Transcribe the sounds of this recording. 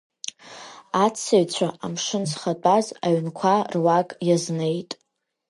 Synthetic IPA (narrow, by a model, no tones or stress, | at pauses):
at͡sʰːaɥt͡ɕʷʰaʔamʂɨnzχat͡pʼazaɥnkʷʰarwakʼjazne̞jtʼ